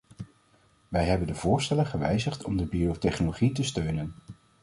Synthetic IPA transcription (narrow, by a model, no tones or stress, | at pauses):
ʋɛjɦɛbəndəvʊːɹstɛləχəʋɛjzəχtɔmdəbiowtɛχnoloχitəstøɥnən